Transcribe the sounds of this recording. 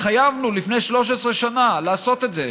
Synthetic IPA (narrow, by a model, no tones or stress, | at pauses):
χajavnulifne̞jʃlo̞ʃesʁeʃanalaːso̞t̪e̞tze̞